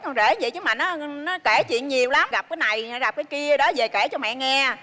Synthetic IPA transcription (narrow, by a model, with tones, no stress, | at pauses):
kɔ˧ze˧˩və̰˧˨jt͡ɕɨ˨˦maː˨˩nɔ˨˦nɔ˨˦ke˧˩t͡ɕwḭ˧˨ənɲi˨˩əwla˨˦mɣa˨˩p̚kaː˨˦jna˨˩jɣa˨˩p̚kaː˨˦jki˧ə˨˩ɗɔ˨˦ze˨˩ke˧˩t͡ɕɔ˧mɛ̰˧˨ŋɛ˧